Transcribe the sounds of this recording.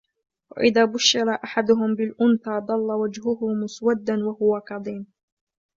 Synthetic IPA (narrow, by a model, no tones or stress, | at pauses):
wa̰ʔɪðaːbʊʃːɪɾaʔaħad̪ʊɦʊmbɪlʔʊnθaːd̪ˤɑlːawad͡ʒhʊhʊmʊswad̪ːanwahʊwakɑðˤiːm